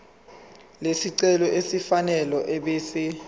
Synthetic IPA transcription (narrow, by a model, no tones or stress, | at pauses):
lesiǀɛlɔesifanɛlɔʔeɓeːsi